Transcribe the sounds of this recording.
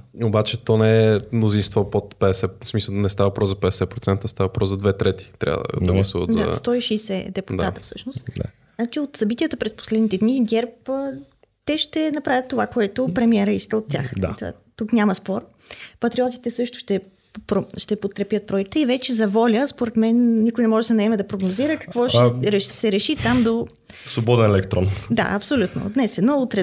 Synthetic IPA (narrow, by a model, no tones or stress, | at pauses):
obat͡ʃɛt̪ɔnɛɛmnozinst̪vɔpot̪pɛd̪ɛsɛsmisənɛst̪avɐpɾɔzzɐpɛd̪ɛsɛpɾot̪ɛnt̪əst̪avɐpɾɔszɐd̪vɛt̪ɾɛt̪i̥t̪ɾʲʔa̰və̰d̪əɡlˠɐsuvə̰t̪d̪a̰st̪ɔiʃɛjsɛd̪ɛpud̪at̪əfsɤʃnost̪d̪a̰ | znat͡ʃiot̪sɐbit̪iət̪əpɾɛspo̥slɛd̪nit̪ɛd̪niɡʲɛɾp | t̪ɛʃt̪ɛnɐpɾavʲjət̪ːovakoɛt̪opɾɛmiɛɾəiskəot̪ʲːa̰xd̪at̪a̰ | t̪uknʲaməspɔɾ | pɐt̪ɾiɔt̪i̥t̪ɛsɤʃt̪ʊ̥ʃt̪ɛ | pɾoʃt̪ɛpot̪̚kɾɛpjət̪̚pɾɔɛkt̪əivɛt͡ʃɛzɐvɔlʲəspoɾɛt̪mɛnːikojnɛmɔʒɛd̪ɐnɐɛmɛd̪ɐpɾoɡnoziɾəkɐ̥kvɔʃɾɛʃsɛɾɛʃit̪amd̪o | svobɔd̪ɛnɛlɛkt̪ɾɔ̰nd̪a̰ʔɐpsolʲut̪no̰d̪nɛsɛnoot̪ɾɛ